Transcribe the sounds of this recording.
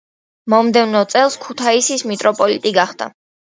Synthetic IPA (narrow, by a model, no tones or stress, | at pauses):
mɔmd̪ɛvnɔt̪sʼɛlˠskʰut̪ʰaisismit̪ʼɾɔpʼɔlit̪ʼiɡaχd̪̥a̰